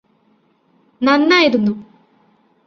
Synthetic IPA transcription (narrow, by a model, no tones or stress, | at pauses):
nɐnːaːjiɾunːu